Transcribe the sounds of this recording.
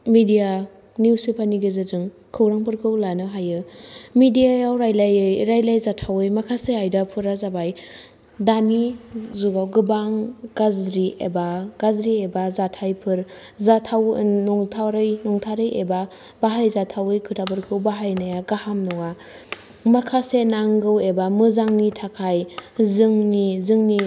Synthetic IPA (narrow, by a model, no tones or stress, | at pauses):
midija | nuwspʰipʰaɾniɡɯzɯdɯŋ | kʰɯwɾaŋpʰɯɾkʰɯwlanɯɦajɯmidijaawɾajlajɯjɾajlajzatʰawɯjmakʰaseajdapʰɯɾazabaj | danizuɡawɡɯbaŋɡazɾiḛbaɡ̥azɾiebazatʰajpʰɯɾzatʰawnɔŋtʰaɾɯjnɔŋtʰaɾɯjʔeba | baɦajzatʰawɯjkʰɯtʰabɯɾkʰɯwbaɦajnajaɡahamnɯwa | makʰasenaŋɡɯwebamɯzaŋnitʰakʰajzɯŋnizɯŋni